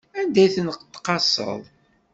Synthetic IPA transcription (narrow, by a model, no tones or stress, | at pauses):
ænd̪æjθənqt̪ːqɑsə̰ðˤ